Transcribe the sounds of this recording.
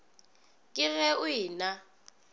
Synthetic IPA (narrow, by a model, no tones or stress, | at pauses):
kʼɪrɛuiːna